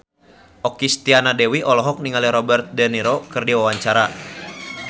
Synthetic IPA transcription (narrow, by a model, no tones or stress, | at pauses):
ʔɔkist̪ianadɛwiʔɔlɔɦɔk̚niŋaliɾɔbɛrt̪̚dɛniɾɔkɨrdiwawaɲt͡ʃaɾa